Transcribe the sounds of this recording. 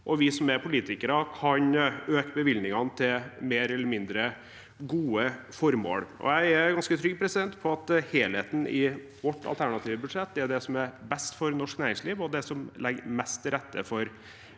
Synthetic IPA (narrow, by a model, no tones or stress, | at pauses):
ʔɔʋɪsɔmæɾpʰʊliːt̪ɪkəɾəkʰɑnøːkəbəʋɪlnɪŋɑnt̪ʰɪlmeːɾɛlːəɾmɪnd̪ɾə | ɡuːə | fɔɾmo̰ːɽʔɔ̰jæɪæɾɡɑnskət̪ʰɾʏɡpʰɾɛsɪd̪ɛnt̪pʰɔɑt̪heːleːt̪n̩ɪ | ʋɔʈʰːɑ̰t̪ʰæɳɑt̪ʰiːʋəbʉd̪ʂɛt̪̚d̪ɛæɖɛsɔmæɾbɛst̪fɔɾnɔʂknæːɾɪŋsliːʋɔd̪ɛsɔmlɛɡmɛst̪ʰːɪɾɛt̪ːəfɔɾ